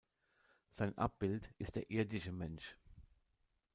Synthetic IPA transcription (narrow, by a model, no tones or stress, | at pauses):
z̥aɪnʔa̰p̚b̥ɪltʔɪst̚d̥eːɐʔɪɐdɪʃəmɛnʃ